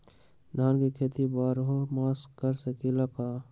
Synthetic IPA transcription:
d̪ʱaːnkikʰeːt̪ibaːɾɦomaːskəɾsekilakaː

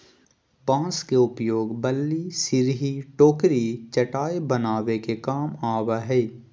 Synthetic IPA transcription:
pãːskeʊpjoːɡbəlːisɪɾɦiʈoːkɾit͡ʃɐʈaːebɐnaːʋekekaːmaːʋaɦɛː

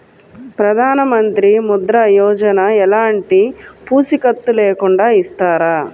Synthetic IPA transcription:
pɾɐd̪ʱaːnɐmɐnt̪ɾimud̪ɾɐjɔːd͡ʒɐnɐɛlaːɳʈipuːsikɐt̪ːuleːkuɳɖaːist̪aːɾa

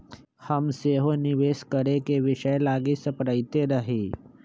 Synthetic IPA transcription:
həmseɦoniʋeskəɾekeʋɪʃəjlaːɡisəpɾəjt̪eɾəɦeː

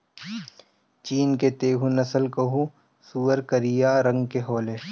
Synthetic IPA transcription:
t͡ʃiːnket̪eːɦũnɐsəlkɐɦũ | suːəɾkəɾijaːɾɐ̃ŋɡkeɦoːleː

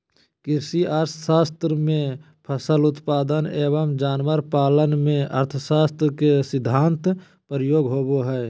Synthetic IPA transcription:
kɪɾsiəɾt̪ʰsaːst̪ɾəmẽ | pʰəsəlʊt̪paːd̪əneːbəmd͡ʒaːnʋəɾpaːlənmẽʔəɾt̪ʰəsaːst̪ɾkesɪd̪ʱːaːnt̪ | pəɾjoːɡɦoːboɦɛː

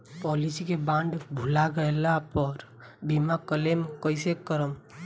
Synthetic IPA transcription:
pɔlisikebãɳɖbʱulaɡəjlapəɾ | bimakəlemkəɪsekəɾəm

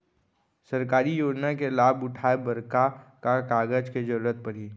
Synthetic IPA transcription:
sɐɾkaːɾijoːd͡ʒnakelaːbʊʈʰaːebɐɾkakakaːɡəd͡ʒked͡ʒɐɾuːɾət̪̚pɐɾɦiː

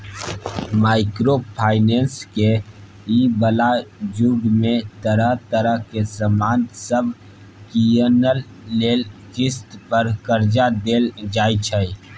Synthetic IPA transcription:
maːɪkɾopʰaːɪnẽːnske | ibəlad͡ʒuɡmẽt̪əɾəɦt̪əɾəɦkesəmaːnsəbʱ | kiənəlː | eːld͡ʒɪst̪pəɾkəɾd͡ʒad̪eːld͡ʒaːit͡ʃʰəi

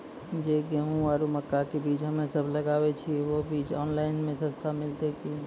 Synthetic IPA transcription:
d͡ʒekeɦũʋaːɾuməkːakebiːt͡ʃɦəmẽsəbʱləɡaːbet͡ʃʰiʋobiːt͡ʃɔːnlaɪnmẽsə̃st̪ʰamɪlt̪eki

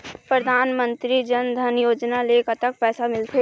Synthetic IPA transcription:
pɾəd̪ʱaːnmə̃nt̪ɾid͡ʒɐnd̪ʱɐnjoːd͡ʒnaleːkət̪ək̚pɛːsamɪlt̪ʰe

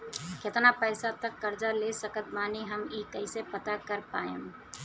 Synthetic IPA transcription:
kʰet̪napəɪsat̪əkːəɾd͡ʒalesəkət̪̚maːniɦəmiːkəɪsepət̪akəɾpaːem

